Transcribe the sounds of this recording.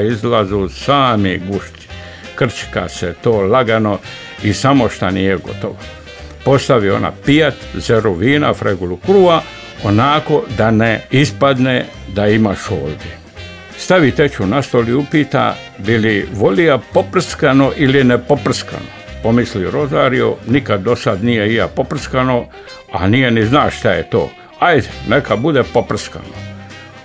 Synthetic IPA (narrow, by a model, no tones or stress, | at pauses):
izlazusaːmiɡuʃt̪i̥ | kr̩t͡ʃka̰set̪oːlaɡano̞ | isamoʃt̪anijeɡo̞̰t̪oʋa | po̞st̪aʋio̞̰na̰pijat̪zeɾoʋiːna̰fɾʔeɡulukɾuːa | onako̞d̪aneispad̪ne | d̪aimaʃo̰ːld̪i | st̪aʋit̪et͡ʃunast̪oliupiːt̪a̰ | biliʋo̞lijapopr̩skano̞ʔilinepopr̩ska̰no̰po̞misliɾo̞zaːɾio̰nikad̪ːo̞sad̪nijeija̰po̞pr̩skano̞ | a̰nijeniznaːʃʃt̪ajet̪o̰ː | ajd̪enekʰabud̪epo̞pr̩ska̰no